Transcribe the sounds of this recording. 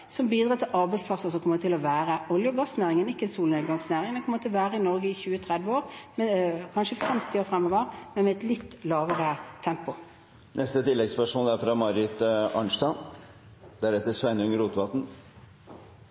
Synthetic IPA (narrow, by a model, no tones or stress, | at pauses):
sɔmbiːd̪ɾʁɑːt̪ʰɪlʔɑɾbæɪtspʰlɑsəsɔmkʰɔmːəɾt̪ʰɪlɔʋæːɾəʔɔljəɡɑsnæːɾɪŋənɪkːəɛnsuːlneːd̪ɡɑŋsnæːʁɪŋd̪ɛnkʰɔmːəɾt̪ʰɪlʋæːɾəɪnɔɾɡəɪçʉːət̪ʰʁɛd̪ʋəoːɾmɛkʰɑnʃəfɛmt̪ʰɪoːɾfɾɛmːəʋɑʁmɛnmɛɛt̪lɪt̪ːlɑːʋəʁət̪ʰɛmpʊ | nʔɛst̪ət̪ʰɪlːɛɡspœʂmoːld̪æɾfɾɑmɑɾɪt̪ɑɳʂt̪ɑ | d̪̥ɛæɾɛt̪ːəsʋɛnʉŋəɾuːt̪ʋɑt̪n̩